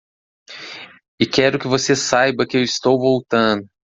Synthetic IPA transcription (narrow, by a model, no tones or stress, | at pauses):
ɪkɛɾʊkɪvosesajbɐkɪewɪst̪owvowt̪ɐ̃d̪ʊ